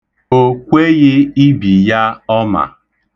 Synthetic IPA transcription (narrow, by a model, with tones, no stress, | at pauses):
o˦kʷe˦ɣɪ˦i˦bi˨ja˦ɔ˦ma̰˨